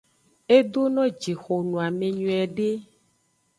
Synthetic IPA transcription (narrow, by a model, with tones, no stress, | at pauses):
e˦d̪o˦nɔ̃˦d͡ʒi˨xo˨nũ˨a˨mẽ˨ɲũ˨ɛ˨ɖe˦